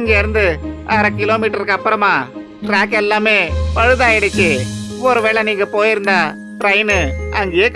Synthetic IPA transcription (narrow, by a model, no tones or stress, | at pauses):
ŋɡeːɪɾɯnd̪ɯɐɾɐkɪloːmiːʈːɐɾkɐpːɯɾɐmaː | ʈɾaːkːɛlːaːmeːpɐɻɯðaːjɪɽɐkːeːɔɾɯʋeːɭɛniːŋɡɐpoːjɪɾɯnd̪ɐ | ʈɾɐɪnɯɐŋɡjeːk